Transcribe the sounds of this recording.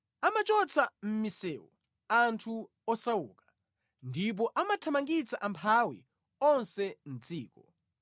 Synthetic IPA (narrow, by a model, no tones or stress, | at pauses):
amat͡ʃɔt͡sʰam̩misɛwɔ̰ | antʰu | ɔsawuːkḁ | ndip̬ɔʔamatʰamaŋɡit͡sʰaʔampʰawḭ | ɔnsɛn̩d͡ziːkɔ